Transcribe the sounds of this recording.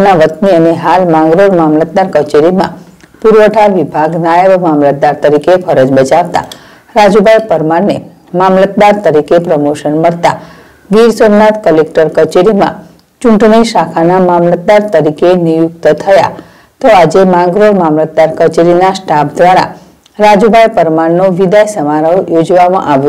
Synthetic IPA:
naʋət̪niəneɦalmãŋɡɾoɾmamlət̪̚d̪aɾkət͡ʃeɾimã̰ | puɾʋəʈʰaɾʋibʱaɡnajəʋmamlət̪̚d̪aɾt̪əɾikefʰəɾəd͡ʒbət͡ʃaʋt̪a̰ | ɾad͡ʒubʱajpəɾmaɾne | mamlət̪̚d̪aɾt̪əɾikepɾəmoʃənməɽt̪a̰ | ɡiɾsomnat̪kəlek̚ʈəɾkət͡ʃeɾimã̰ | t͡ʃʊɳʈniʃakʰanamamlət̪̚d̪aɾt̪əɾikenijukt̪t̪ʰəja̰ | t̪oad͡ʒemãɡɾoɾmamlət̪̚d̪aɾkət͡ʃeɾinasʈapʰd̪ʋaɾa̰ | ɾad͡ʒubʱajpəɾmaɾnoʋid̪ajsəmaɾəwjod͡ʒʋamã̰ʔaʋjũ

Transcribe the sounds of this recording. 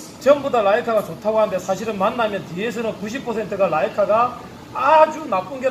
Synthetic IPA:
t͡ɕʌmbudalaikʰaɡat͡ɕotʰaɡoɦandesʰaɕʰiɾɯnmanːamjʌntijes̬ʰɯnɯnkuɕ̬ʰipʰʌsʰe̞ntʰɯɡalaikʰaɡaː | d͡ʑunap͈unɡe

